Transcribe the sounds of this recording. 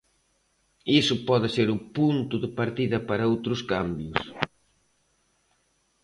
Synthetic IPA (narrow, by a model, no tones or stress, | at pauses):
isʊpɔðɪseɾʊpunt̪ʊðɪpaɾt̪iðɐpaɾɐowt̪ɾʊskambjʊs